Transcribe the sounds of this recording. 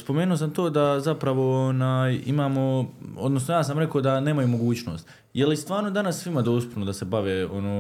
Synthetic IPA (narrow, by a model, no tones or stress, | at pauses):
spo̞meːnuos̬amt̪oːd̪azapɾaʋo̞onaːjḭmaːmo̞od̪no̞sno̞jaːsamɾe̞koːd̪ane̞ːmajumo̞ɡuːt͡ɕno̞ːst̪ | jelist̪ʋaːɾno̞d̪anasːʋimad̪o̞ːst̪upnod̪ase̞baʋeːo̞noː